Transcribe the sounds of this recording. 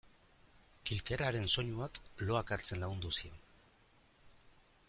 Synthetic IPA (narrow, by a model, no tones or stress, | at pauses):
kilkeɾaɾe̞nso̞ɲuaklo̞akaɾt͡se̞nlaɣund̪usio̞n